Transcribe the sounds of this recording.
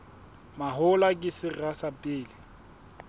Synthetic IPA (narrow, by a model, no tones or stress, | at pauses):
maɦʊlakʼɪsɪrasapʼɪːlɪ